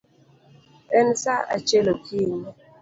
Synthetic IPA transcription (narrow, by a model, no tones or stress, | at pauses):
ɛnsaa̰t͡ʃelokʰin